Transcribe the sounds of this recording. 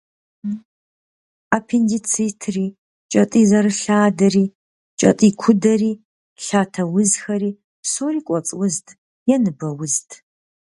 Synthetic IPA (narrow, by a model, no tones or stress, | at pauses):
apʰendit͡sʰitʰriː | t͡ʃʼɐtʼiːzɐɾɨɬaːdɐriː | t͡ʃʼɐ̰tʼiːkʷʰʊdɐriː | ɬaːtʰɐwʊzxɐɾiː | soːriːkʷʼɔt͡sʼwʊztʰʼ | jɛnɨbɐwʊztʰʼ